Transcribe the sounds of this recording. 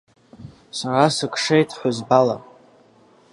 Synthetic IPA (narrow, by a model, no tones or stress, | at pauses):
saɾasɨkʰʼʂejtʰħʷʊzbala̰